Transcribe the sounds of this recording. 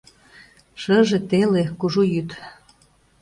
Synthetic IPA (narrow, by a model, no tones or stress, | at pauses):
ʃəʒĕt̪elekuʒujyt̪